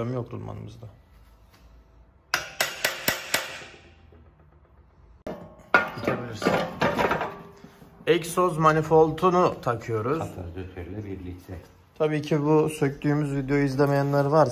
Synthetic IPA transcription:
amɯjokɾulˠma̰nɯ̰mɯzd̪a | it̪ʰebilʲiɾsin | ɛcsozmanifo̞lˠt̪ʰunut̪ʰakʰɯjo̞ɾuz̥t̪ʰaɾd̪øt̪ʰøɾlʲɛbiɾlʲic̚t̪ʰɛ | t̪ʰabiːcʰibusøct̪ʰyːmyzvid̪ejooizlʲemejanlˠaɾvaɾ

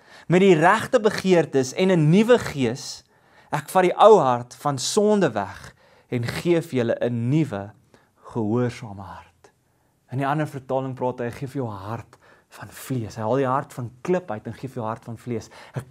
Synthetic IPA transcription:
mɛt̚diræχtəbəχiərtəsɛnənivəχiəs | ækfɐɾiʔəwɦɐrtfɐnsɔndəvæ̰χ | ɛnχiəfjələʔənivə | χəɦuərsɑːməɦɐrt | əniɐnərfərtɑːləŋprɑːtəjχiəfjəwəɦɐrtfɐnfliəsɦəjɦɐlˠdiɦɐrtfɐnkləpɦəjtɛnχiəfjəwɦɐrtfɐnfliəsæk̚

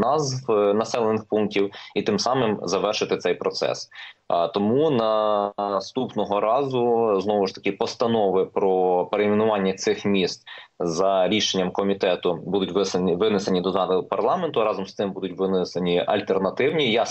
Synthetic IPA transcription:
nɑzwnɐsɛlˠenɪxpunktʲiwit̪ɪmsɑmɪmzɐʋɛrʃɪt̪ɪt̪ɛjpɾɔt̪sɛ̰st̪ɔmunɐ | st̪upnɔɦɔɾɑzʊznɔʋʊʃt̪ɐ̥kʲɪpɔst̪ɐnɔʋɪpɾɔpeɾeimʲinʊʋɑnʲːɐt̪sɪxmʲist̪zɐɾʲiʃenʲːɐmkɔmʲit̪ɛt̪ʊbud̪ʊtʲʋɪʋɪneɪsenʲid̪ɔzɑnɪpɐrlˠɑment̪ʊɾɑzɔmst̪ɪmbud̪ʊtʲʋɪnɪsenʲiɐ̰lʲt̪ernɐt̪ɪwnʲijɑ

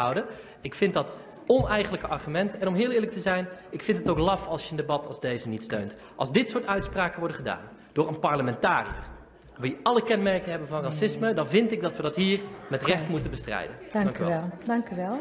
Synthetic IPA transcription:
ɑwdə | ɪkfɪntdɑt | ɔnɛjχələkəʔɑɹχymɛntəɛnɔmɦɪːlˠɪːɹlək̚təzɛjnɪkfɪntətowklɑfɑlˠsjəəndebɑtʰɑlˠzdejzənitstø̰ɥnt | ʔɑ̰lˠzdɪtsʊːɹtœɥtspraːkəʋɔɹdəχəda̰ːn | d̥ʊːɹənpaɹləmɛntaːrḭə̰r | ʋijɑləkɛnmɛrkəɦɛbənvɑnrasɪsmədɑnvɪntɪɡ̚dɑtʋədɑtɦiːrmɛtrɛχtmutənbəstrɛ̰jdənŋkɛdɑŋkyʋɛlˠ

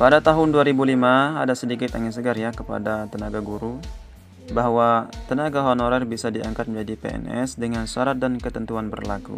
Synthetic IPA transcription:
padat̪aɦʊnduaɾibulimaa̰dasədikɪt̪aŋɪs̬əɡarjakəpa̰dat̪ənaɡaɡuɾu | baɦwat̪ənaɡaɦonɔɾɛrbisadiaŋkat̪̚mɲd͡ʒadipḛɛ̰nɛ̰sdəŋansuaɾat̪̚dankət̪ənt̪uanbə̰rlakṵ

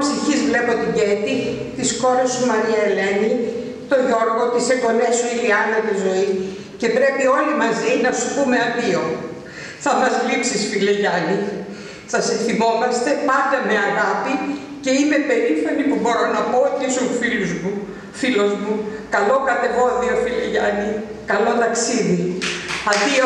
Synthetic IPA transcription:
siçizvle̞po̞t̪iɟet̪i | t̪isko̞ɾesumɐniɐele̞ni | t̪o̞ʝo̞ɾɣo̞t̪iseɡo̞ne̞suiliɐnɐt̪izo̞i | ce̞pɾe̞pio̞limɐzinɐsupume̞ɐðio̞ | θɐfɐzlipsisfileʝɐni | sɐseθimo̞mɐst̪e̞pɐnd̪ɐme̞ɐɣɐpi | ce̞ime̞pe̞ɾifɐnipubo̞ɾo̞nɐpoisoufiluzmu | filo̞zmukɐlo̞kɐt̪e̞vo̞ðio̞fileʝɐni | kɐlo̞t̪ɐksiðiɐt̪io

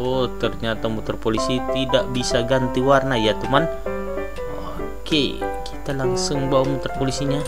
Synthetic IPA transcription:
ot̪ərɲat̪amut̪ərpolisit̪idaʔbisaɡant̪iwarnajat̪uman | o | keki̥t̪alaŋsʊŋbawamut̪ərpolisiɲa

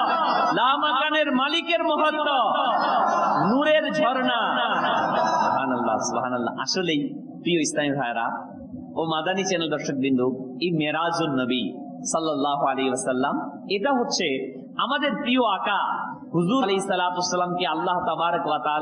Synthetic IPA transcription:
laːmakaneɾmalikeɾmɔɦɔd̪ːɔ | nuɾeɾd͡ʒʱɔɾɳa | ssubɦaːnɐlːa̰subɦaːnɐlːa̰a̰ʃolej | pɾijoist̪ʰanid̪ʰʱajɾa̰ | omad̪anit͡ʃɛnəld̪ɔɾʃək̚bind̪uimeɾad͡ʒonːəbi | sɐlːɐlːaːɦualeɦiʋɐsɐlːɐm | eʈ̪aɦot̪ːt͡ʃʰe | amad̪eɾpɾijoakahuzuleɦisːɐlaːt̪uɐsːɐlaːmkealːaɦt̪ɐbaːɾəkʋɐt̪aaːl

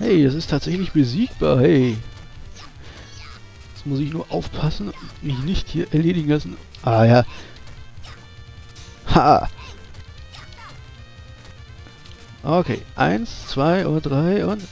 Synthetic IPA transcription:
hɛɪd̥asɪstʰaːtz̥ɛçlɪçb̥əziːk̚b̥a̰ːɐhɛɪ | ɛt͡smʊsɪçnuːɐʔaʊfpʰasn̩ʊntmɪçnɪçthiːɐʔɛɐleːɾɪɡŋ̩lasn̩ | ʔaːjaː | ha̰ː | ʔokʰḛːʔa̰ɪnst͡sv̥aɪʔo̰ːdd̥ʁaɪʔʊnt

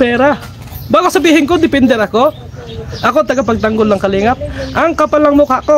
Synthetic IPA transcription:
pɛːɾa | baːɡosɐbiːhɪŋkod̪ɪpɛnd̪ɛɾɐko̞ | ʔɐkot̪ɐɡapɐɡ̚t̪ɐŋɡolːɐŋkɐliːŋɐt̪̚ʔɐŋkɐpɐlɐŋmokaʔko

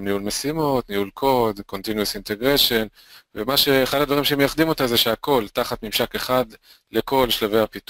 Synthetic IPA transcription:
nihulmesimo̞t̪nihulkʰo̞d̪ko̞nt̪injuusint̪e̞ɡʁeʃe̞n | vemaʃeχadadvaʁimʃemejaχd̪imo̞t̪azeʃeako̞ltaχat̪mimʃake̞χad | leko̞lʃlave̞jhapit

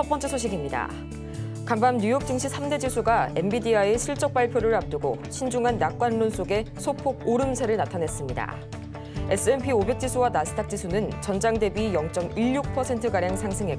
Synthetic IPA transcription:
ʌp͈ʌnt͡ɕ͈e̞sʰoɕʰiɡimɲida̰ | kambamɲujʌk̚t͡ɕ͈ɯŋɕʰisʰamde̞d͡ʑisʰuɡae̞mbidiaeɕʰiɭt͡ɕ͈ʌk̚p͈aɭpʰjoɾɯɭap̚t͈ɯɡoɕʰind͡ʑuŋɦanːak͈wanːons͈ʰoɡe̞sʰopʰoɡ̚oɾɯmsʰe̞ɾɯɭnatʰane̞s͈ɯmɲida̰ | e̞s͈ɯe̞npʰiobe̞k̚t͡ɕ͈isʰuwanasʰɯ̥tʰak̚t͡ɕ͈isʰunɯnt͡ɕʌnd͡ʑaŋde̞bijʌŋt͡ɕ͈ʌmiɭjuk̚pʰʌsʰe̞ntʰɯkaɾjaŋsʰaŋsʰɯŋɦe̞

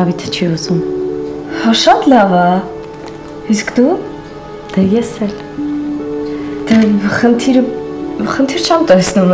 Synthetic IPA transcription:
ɑvit̪ʰə̥t͡ʃʰiuzum | hɑʃɑt̪lɑvɑ | iskd̪u | d̪̥ɛjɛsɛl | d̪̥ɛχənt̪ʰiɾəχənt̪ʰiɾt͡ʃʰɛmt̪ɛsnum

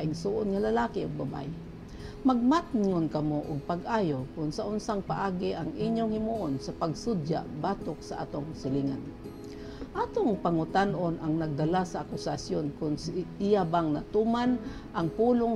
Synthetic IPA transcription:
ʔɪŋsuːʔʊnŋalalaːkɪʊɡ̚baba̰j | mɐɡ̚mat̪ŋonkɐmoʔʊɡ̚paɡʔaːjokʊnsaʔʊnsaŋpaʔaːɡɪʔaŋʔɪɲjoŋhɪmuʔonsapaɡsʊd̪ja̰ʔbaːt̪ok̚saʔa̰ːt̪oŋsɪliŋan | ʔaːt̪oŋpaŋʊt̪anʔonaŋnɐɡ̚d̪alasaʔːkʊsasjonkʊnsʔɪjabaŋnat̪uman | ʔaŋpuːloŋ

